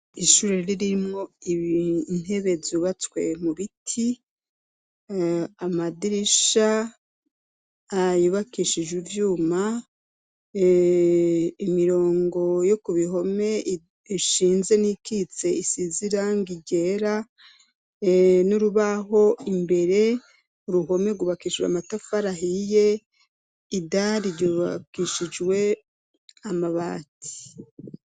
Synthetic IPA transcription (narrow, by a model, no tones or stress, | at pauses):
iʃuːɾeɾiɾimŋo̞iβin̥e̞βe̞zuβat͡skwe̞muβitʰi | amadiɾiʃa | juβakiʃid͡ʒivjuːma | imiɾo̞ːŋɡo̞jokuβiɦo̞me̞ | iʃiːnze̞nikit͡se̞isiziɾaŋɡiɟe̞ɾa | nuɾuβaɦo̞imbe̞ɾe̞ | uɾuɦo̞me̞ɡuβakiːʃwea̰matafaɾaɦije̞ | idaɾiɟuβakiʃid͡ʒwe̞ | amaβaːtʰi̥